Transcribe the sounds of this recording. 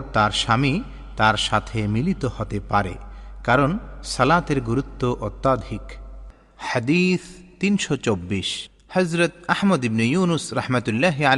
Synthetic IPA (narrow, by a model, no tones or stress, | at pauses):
t̪aɾʃami | t̪aɾʃat̪ʰemilit̪ohɔt̪epaɾḛkaɾonsɐlat̪eɾɡuɾut̪ːoʔot̪ːad̪ʱik | had̪it̪ʰt̪inʃɔt͡ɕobːiʃ | hɐzɾɐt̪ahmɐd̪ibnojunusɾahmat̪ulːaɦial